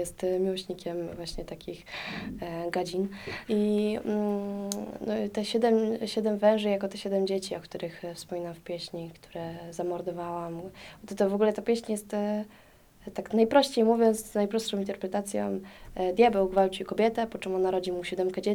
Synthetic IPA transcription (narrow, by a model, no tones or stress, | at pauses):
jɛst̪mʲiwɔɕɲikʲɛmvwaɕɲɛt̪akʲix | ɡad͡ʑini | nɔt̪ɛɕɛd̪ɛmɕɛd̪ɛmvɛ̃w̃ʐɘjakɔt̪ɛɕɛd̪ɛmd͡ʑet͡ɕiɔkt̪uɾɘxfspɔmʲinamfpʲjeɕɲikt̪ʰu̥ɾɛzamɔɾd̪ɔvawamɔt̪ɔt̪ɔvɔɡulɛt̪apʲjeɛɕɲjɛst̪ | t̪aknajpɾɔɕt͡ɕejmuvʲjɔnt̪sznajpɾɔstʂɔ̃w̃int̪ɛɾpɾɛt̪at̪sʲjɔ̰md̪jabɛwɡvawt͡ɕikɔbʲjɛt̪ɛpɔt͡ʂɛmɔnaɾɔd͡ʑimuɕɛd̪ɛmkad͡ʑɛ